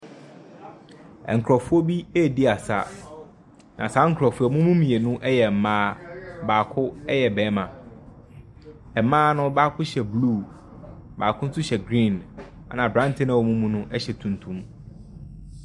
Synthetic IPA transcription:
ɛ̰˨ŋ̩˨kʰɾɔ˨fʊ˦o˦bi˦e˦˨dɪ˦a˨sa̰˦˨ | nã̰˨sa˨˦ŋ̩˨kʰɾɔ˨fʊ˦ɔ˨mũ˦mũ˦mĩ˨e˨nʊ̃˦ʔɛ˦jɛ˨m̩˨mãː˦baː˨kʰʊ˦ɛ˦jɛ˨bɛː˨˦mã˨ | ɛ˨˦mãː˦nʊ̃˦baː˦kʰʊ˦ɕɛ˨bluː˦˨ | ba̰ː˨kʰʊ˦n̩˦sʊ˦ɕɛ˨ɡɾĩ˦˨n | a˨nã˨bɾã˦n˨tʰɪ̃˦nã˨wo˨mũ˦mũ˦nʊ̃˦ʔɛ˦ɕɛ˨tʰũ˨n˨tʰũ˨˦m

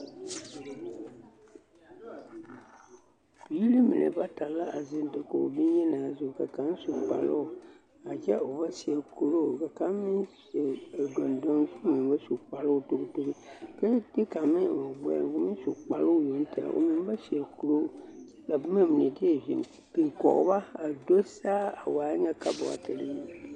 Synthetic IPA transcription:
bi˨˦i˦lɨ˦mɨ̰˨nʔɨ̰˨ba˦ta˨˦la˦a˨zɪ˦ndɨ˨ko˨o̰˨bɪ˦n˦jɛ˦naː˨zʊ˦˨ka˨ka˨n˦su˨k͡pa̰˨lo̰˦˨ | a˨d͡ʒɛ˦o˨ba˦si˨ɛ˨ku˨lo˦˨ka˨ka˨˦m˦mɨ˦nsɛ˨dɔ˨ndo˦nku˦mɨ˨ba˦su˨k͡pa˨lo˦˨to˨ktu˦ɾɨ˦ka˦ti˦ka˨mi˦˨ɡ͡bɛ̰˦o˨˦mɨ˦n˦su˨k͡pa˨lʊ˦˨ji˨li˦ta̰˨a̰˨ʔo̰˨mi˨n˦ba˦si˨ɛ˨ku˨ɾo˦˨t͡ʃɛ˦la˨bma˦mɨ˨nɛ˨dɪ˦ɛ˦˨ʒḭ˨n | kɨ˨kɔ̰˨ʔba˦a˨do˦saː˦a˨waː˨˦ŋa˦ka˦bʊ̰˨a̰˨tɨ˨lɪ˦j

